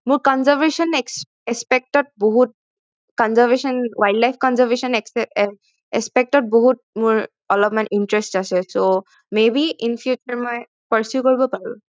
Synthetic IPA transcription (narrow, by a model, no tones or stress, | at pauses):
mʊɹkɔnzaɹvesɔnɛks | ɛspɛk̚tɔt̚boɦut̚ | kɔnzəɹvesɔnwajɖlajpʰkɔnzəɹvesɔnɛksɛ | ɛspɛk̚tɔt̚boɦut̚mʊɹ | ɔlɔpmanintɹɛstasɛso | mebiinpʰjut͡ʃəɹmɔj | pəɹsjukoɹibɔpaɹṵ̃